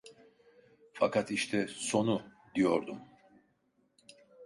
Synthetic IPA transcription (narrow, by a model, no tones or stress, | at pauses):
fakʰat̪iʃt̪ʰɛso̞nud̪ijo̞ɾd̪um